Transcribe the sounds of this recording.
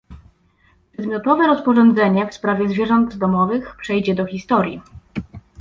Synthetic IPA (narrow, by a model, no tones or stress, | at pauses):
pʂɛd̪mʲjɔt̪ɔvɛɾɔspɔʐɔnd̪zɛɲɛfspɾavʲjɛzvʲjɛʐɔnd̪d̪ɔmɔvɘxpʂɛjd͡ʑɛd̪ɔxʲist̪ɔɾʲji